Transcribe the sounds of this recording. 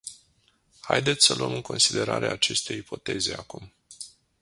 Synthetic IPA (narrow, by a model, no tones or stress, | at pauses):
hajd̪et̪sʲsəluəmɨŋkʰo̞nsid̪e̞ɾaɾʔeat͡ʃe̞st̪e̞jipʰo̞t̪e̞ze̞akum